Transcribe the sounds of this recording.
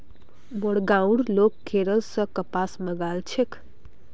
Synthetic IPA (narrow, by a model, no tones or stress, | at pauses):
moɽɡaũɖlokʰːeɾəlsə̃kəpasməɡalt͡ʃʰek